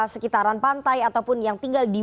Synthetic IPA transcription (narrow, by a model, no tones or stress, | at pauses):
səkit̪aɾanpant̪ajat̪awpʊnjaŋt̪iŋɡaldi